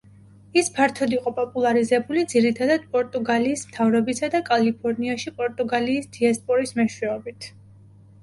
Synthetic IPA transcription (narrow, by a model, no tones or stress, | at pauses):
ispʰaɾt̪ʰɔd̪iqʼɔpʼɔpʼulˠaɾizɛbulid̪ziɾit̪ʰad̪ad̪̥̚pʼɔɾt̪ʼuɡaliːsmt̪ʰavɾɔbisad̪akʼalipʰɔɾniaʃipʼɔɾt̪ʼuɡaliːsd̪̥iaspʼɔɾismɛʃwɛɔbit̪ʰ